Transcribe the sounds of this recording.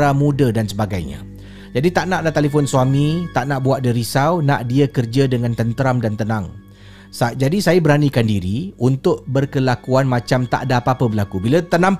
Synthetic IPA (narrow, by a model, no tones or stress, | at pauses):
amũdadansəbaɡajɲa̰ | d͡ʒadit̪aʔnãʔlat̪elefʊnsuamĩt̪aʔnãʔbuaʔ̚dəɾisawnaʔdiakərd͡ʒadəŋant̪ənt̪əɾamdant̪ənãŋ | sad͡ʒadisajabəɾanikandiɾiunt̪ʊʔbərkəlakuanmãt͡ʃamt̪a̰ʔdaːpapəbəlakubilat̪ənãŋ